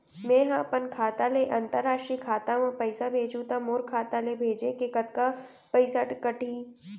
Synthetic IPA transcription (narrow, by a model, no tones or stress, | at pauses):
mẽːɦãːpənkʰaːt̪aleʔɐ̃nt̪əɾːaːʃʈɾikʰaːt̪aʋãpɐɪsabʱeːd͡ʒut̪amoːɾkʰaːt̪alebʱeːd͡ʒekekət̪ka | pəɪsəʈkɐʈʰiː